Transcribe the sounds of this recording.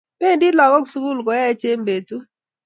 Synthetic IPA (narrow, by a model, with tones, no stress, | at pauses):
pe˦ndi˦lɔ˨ŋɔ˦ɡsu˦ku˦˨lɡɔ˨˦ja˦e˦t͡ʃe˦mbe˨tu˦